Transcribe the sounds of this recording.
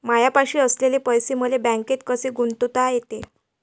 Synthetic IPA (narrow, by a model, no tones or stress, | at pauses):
majapaɕiːəslelepəjsem̤əlebæ̃ŋket̪̚kəseɡuɳt̪ut̪ajet̪e